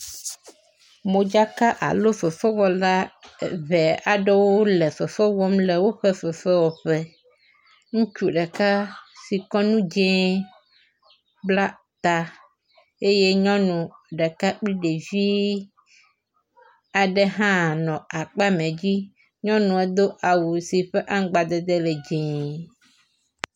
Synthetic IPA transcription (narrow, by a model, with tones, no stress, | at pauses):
mõ˨d͡ʒa˦ka˦ʔa̰˨lo˦fɛ˨fɛ˦wɔ˦la˦˨βɛ˨a˨ɖɛ˦wo˦lɛ˨fɛ˨fɛ˦wɔ˦mlɛ˨wo˦ɸɛ˦fɛ˨fɛ˦wɔ˨ɸɛ˦ | ŋũ˦t͡ʃu˦ɖɛ˨ka˦si˨kɔ˦nũ˦d͡ʒɛ̃˦ | bla˦ | t̪a˦ | e˦je˦ɲɔ̃˦nũ˨ɖɛ˨ka˦k͡pli˦ɖe˨vi˦ | a˨ɖɛ˦ɦã˦˨nɔ̃˨a˨k͡pa˦mɛ̃˨d͡ʑi˦ | ɲɔ̃˦nũ˨ɛ˨d̪o˦ʔa˨wu˨si˨ɸɛ˦ʔa˦ŋ˦ɡ͡ba˨d̪ɛ˦d̪ɛ˦lɛ˨d͡ʒɛ̃˨